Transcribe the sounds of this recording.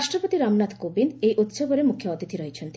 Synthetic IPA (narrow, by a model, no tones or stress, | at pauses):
aʃʈɾɔpot̪iɾamnat̪kobinejʔut̪soboɾemukʰjɔɔt̪it̪ʰiɾɔɦit͡ɕʰɔnt̪i